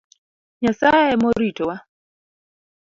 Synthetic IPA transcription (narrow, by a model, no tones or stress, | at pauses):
ɲasaɛmɔɾitɔwa